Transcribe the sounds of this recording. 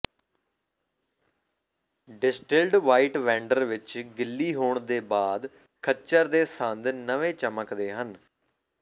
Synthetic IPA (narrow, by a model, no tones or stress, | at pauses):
ɖɪsʈɪlɖʋaːiːʈʋɛ̃ːɳɖəɾʋɪt͡ʃɡɪlːiːɦoːɳd̪eːbaːd̪ | kʰət͡ʃəɾd̪eːsənd̪nəʋẽːt͡ʃəməkd̪eːɦən